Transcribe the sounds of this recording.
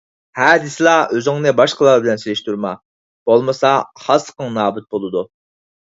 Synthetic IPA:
hɛːd̪ɪslˠɑøzɪŋnɪbɑʃqʰəlˠɑɾbɪlɛnselɪʃt̪ʰuɾmɑ̰ | b̥olˠmɨsɑχɑsə̥qəŋnɑːbyt̪̚bolˠɨd̪u

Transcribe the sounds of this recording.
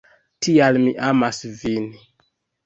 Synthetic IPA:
tialmiʔamasvini

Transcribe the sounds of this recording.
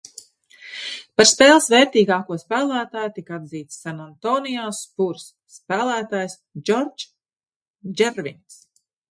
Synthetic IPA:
paɾspɛːlˠsvɛːɾt̪iːɡaːkuɔspæːlˠæːt̪aːjut̪ikad̪ziːt̪sːanant̪ɔːnijaspuɾsːpæːlˠæːt̪aːjs | d͡ʒɔɾd͡ʒ | d͡ʒɛɾvins

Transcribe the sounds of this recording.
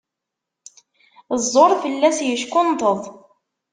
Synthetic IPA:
zˤːoɾˤθəlːæsjəʃkʊnt̪əðˤ

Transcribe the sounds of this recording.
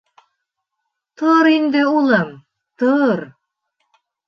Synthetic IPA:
t̪oɾind̪ɘulˠɤm | t̪oɾ

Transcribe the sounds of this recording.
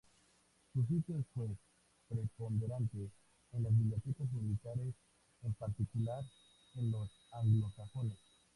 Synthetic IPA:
sus̬it̪joesfwe | pɾepo̞nd̪eɾant̪eː | nlozβiβjot̪it̪osmilit̪aɾe̞s | empaɾt̪ikulaɾ | enlos | aŋɡlosaxones

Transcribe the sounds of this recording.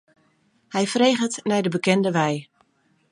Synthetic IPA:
hɛjfrejχətnɛjdəbəkɛndəʋɛj

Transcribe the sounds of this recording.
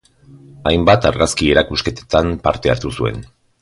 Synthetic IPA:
ajmbat̪aɾɣaskie̞ɾakuske̞t̪et̪ampaɾt̪e̞a̰ɾt̪usue̞̰n

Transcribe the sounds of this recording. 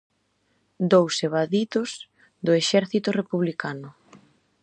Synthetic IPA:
d̪owseβaðit̪ʊs | d̪ʊeʃɛɾθit̪ʊrepuβlikanʊ

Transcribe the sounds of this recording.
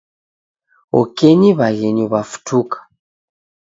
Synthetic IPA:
ɔ̰kɛɲiβaɣɛɲɔβafu̥tʰukḁ

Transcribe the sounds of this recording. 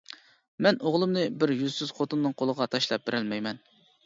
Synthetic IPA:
mɛnoʁlˠɨmnɨbɪɾjyzsyz̥χot̪unːɨŋqʰolˠəʁɑt̪ʰɑʃlˠɑp̚beɾɪlmɛjmɛn

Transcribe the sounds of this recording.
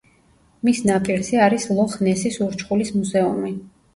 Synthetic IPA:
misnapʼilzɛaɾislˠɔχnɛsisuɾt͡ʃʰχulismuzɛumi

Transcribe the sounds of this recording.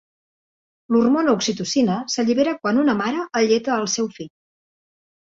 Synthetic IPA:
lurmonəuksit̪usinəsəʎiβeɾəkwanunəmaɾəːʎet̪əːlˠsɛwfiʎ

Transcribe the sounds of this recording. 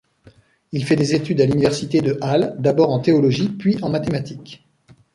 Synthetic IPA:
ilfɛd̪ezet̪yd̪alynivɛʁsit̪ed̪əʔald̪abɔʁɑ̃t̪eɔlɔʒipɥiʔɑ̃mat̪emat̪ik

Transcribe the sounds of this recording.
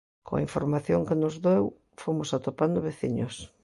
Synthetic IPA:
ko̰ŋa̰iɱfoɾmaθjoŋkenʊzðew | fomʊsat̪opand̪ʊβeθḭɲʊs

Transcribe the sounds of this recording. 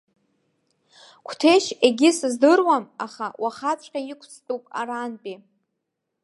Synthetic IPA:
kʷʰtʰeʃeɡʲɪsɨzdɨrwamaχawʔaχat͡sʷʰʼqʲajikʷʰt͡sʰʼtʼupʼa̰ɾanpʼi

